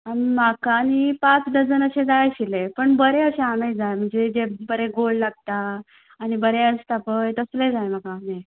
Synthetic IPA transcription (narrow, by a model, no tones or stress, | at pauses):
amimakaːnipat͡sd̪əd͡zənəɕẽd͡zajɕilepəɳbəɾeəɕeamejd͡zajm̤əɳd͡zed͡zebəɾeɡoɭlaɡ̚t̪aː | nibəɾeəst̪apəjt̪əslẽd͡zajm̤akame